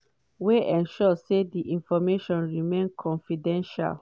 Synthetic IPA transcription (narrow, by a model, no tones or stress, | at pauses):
weʔɛ̃nʃɔsediʔĩnfɔmeʃɔ̃nɹimẽnkʰɔ̃nfidɛ̃nʃa̰l